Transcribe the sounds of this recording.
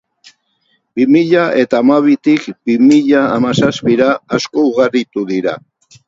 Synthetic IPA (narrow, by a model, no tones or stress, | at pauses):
bimiʎaʔe̞t̪aːmaβ̞it̪ikbimiʎaːmasaspiɾaːsko̞uɣaɾit̪uðiɾa